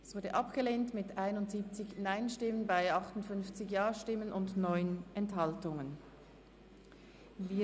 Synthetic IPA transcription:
ɛsv̥ʊɐdəʔɑpɡ̥əleːntmɪtaɪnʊntz̥iːp̚t͡sɪçnaɪnʃtɪmənbaɪʔɑχtʊntfʏnft͡sɪçjaːʃtɪmənʔʊndnɔʏənɛnthɑltʊŋən | viː

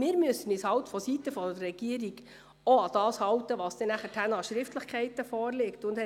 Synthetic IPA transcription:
mɪːɾmyøsən̩ishɑltfɔsitəfɔdərɛɡ̥iːəɾiɡ | oɑd̥̪ɑːshɑwtəʋɑːsd̥̪ɛnæχətʰænɑʃɾɪftləχkχɛɪtəfɔːɾlɪktʊnd̥ɛ

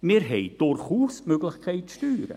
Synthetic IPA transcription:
mɪːɾɦɛjd̥ʊɾχuːsmøɡlɪχkʰɛɪt̚tyːɾə̰

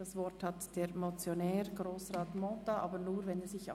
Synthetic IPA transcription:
d̥ɑsvɔɾthɑtd̥eːɾmɔt͡sjonɛːɾɡɾoːsraːtmɔtaʔɑːbənuːɾvɛneːzɪça

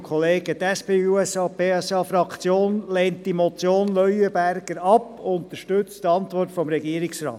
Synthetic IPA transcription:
kʰχɔleːɡ̥ət̪ɛspeːuɛsɑːpeːɛsɑːfɾɑkt͡sjoːnleːntːimɔt͡sjoːnlœʏəbæɾɡ̥əɾɑpʊnt̪əɾʃtɵt͡sttɑnt̪ʋɔrtfɔmɾɛɡiəɾiksɾɑ̰ːt

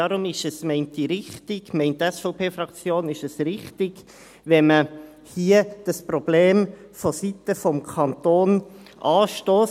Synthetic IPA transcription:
ɑɾʊmɪʃɛsmɛɪntiɾɪχtɪɡ̥mɛɪntɛsfoʊpʰeːfɾɑkt͡sjoːnɪʃɛsɾɪχtɪɡ̥ | ʋɛnmə | hiːəd̥ɑsprɔb̥leːm | fosit̪əfɔmkʰɑnt̪oːn | ʔɑːʃtoːs

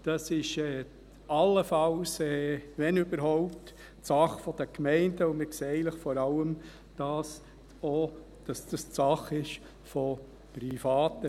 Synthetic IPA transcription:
d̥ɑsɪʃɛː | ɑlːəfɑlsɛʋɛnʏbəɾɦɔʊp̚t | sɑχfɔd̪əkmɛɪnd̥əʊmɪkseːɛɪləχfɔɾɑləm | d̥ɑs | ɔ | d̥ɑsd̥ɑst͡sɑχɪʃ | fɔ | pɾifɑːt̪ə

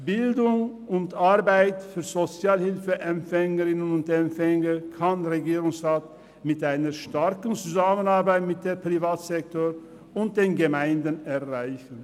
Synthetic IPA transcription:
b̥ɪldʊŋ | ʊntʔaʁbaɪtfyːɐzot͡sjaːlhɪlfəʔɛmfɛŋəʁɪnənʊntɛmfɛŋəkʰanʁeɡiːʁʊŋsʁaːt | mɪtʔaɪnɐʃtaɐkn̩t͡suzaːmənaɐbaɪtmɪt̚d̥eːɐpʁ̥ivaːtz̥ɛktoːʁ | ʊnt̚d̥eːnɡəmaɪndənɛʁʁaɪçn̩

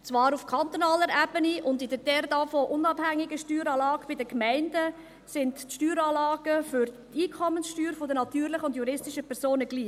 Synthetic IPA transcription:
t͡svɑːɾufkʰɑnt̪onɑːləɾɛbəniʔʊndɪdəd̥ɛɾdɑfɔʔʊnɑbhæŋːɪɡəʃtyːɾɑːlɑːɡ̥b̥ɪdəkmæɪndə | sɪntʃtyːɾɑːlɑːɡ̥əfʏɾtiːkʰɔmənsʃtyːɾfɔdənɑtyːɾlɪχəʊndjuɾɪstɪʃəpʰɛɾsoːnəɡ̥liː

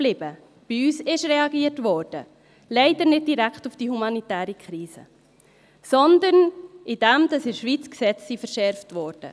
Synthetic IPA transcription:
b̥lɪb̥ə | b̥ɪyːsɪʃɾɛɑɡiːətʋɔːɾd̥ə | lɛɪdəɾnɪd̚diɾæktufd̥ihumɑnitæːɾikʰχɾiːzə̰ | sɔnd̪ənɪd̥ɛmd̥ɑsɪɾʃʋiːt͡sksɛt͡ssifəɾʃɛɾftʋɔːɾd̥ə̰

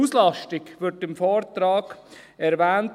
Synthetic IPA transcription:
uːslɑʃtɪkʋɪɾtɪmfɔːɾtɾɑːɡ̥ | ɛɾʋæːnt

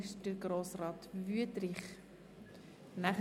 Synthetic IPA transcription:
ɪʃdəɾɡɾoːsrɑːt̪vyətɾɪχ | næχ

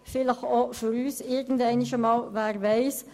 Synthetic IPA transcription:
fɪləχofyɾyːsɪɾɡən̩dæɪniʃəmɑːlvæːɾʋæɪs

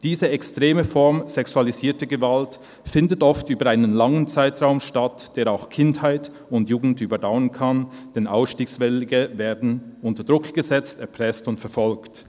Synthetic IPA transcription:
d̥iːzəɛkstʁeːməfɔʁmz̥ɛksualiziːɐtəɡəvalt | fɪndətʔɔftyːbɐʔaɪnənlaŋənt͡saɪtʁaʊmʃtatd̥eːʁaʊxkʰɪnthaɪt | ʊntjuːɡn̩tyːbɐdaʊənkʰand̥ɛnʔaʊsʃtiːksvɛlɡəveːɐdn̩ʔʊntəɐdʁʊkɡ̥əzɛt͡stɛɐpʁ̥ɛstʊntfɛɐfɔlkt

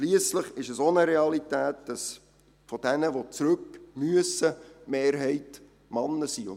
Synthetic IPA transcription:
ʃliəsləχɪʃɛsonəɾeɑlitæːt̚d̥ɑs | fɔd̥ɛnəʋot͡sɾʉkmyəsəmeːɾɦɛɪt | mɑnːəsiʊn

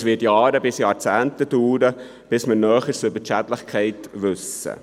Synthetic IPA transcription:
sʋɪtjɑːɾəbɪsjɑːɾt͡sæːntətuːɾə | b̥ɪsməɾnœːχəɾsʏbət͡ʃætlɪχkʰɛɪtʋʉsə̰

